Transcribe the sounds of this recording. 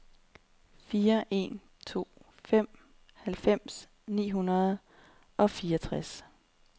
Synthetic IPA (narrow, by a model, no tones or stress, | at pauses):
fiːɐʔe̝̰n | t͡sʰo̝̰ː | fem̰ | hælfem̰s | nḭːɦunɐðˠ | ʔɒ̽fiːɒt͡sʰʁas